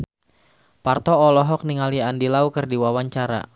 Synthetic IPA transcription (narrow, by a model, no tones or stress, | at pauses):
part̪ɔːlɔɦɔk̚niŋaliandilaukɨrdiwawaɲt͡ʃaɾa̰